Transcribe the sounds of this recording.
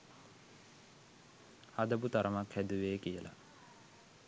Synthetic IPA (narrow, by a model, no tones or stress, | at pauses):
had̪əbut̪aɾəmakhæd̪uʋeːkijəla̰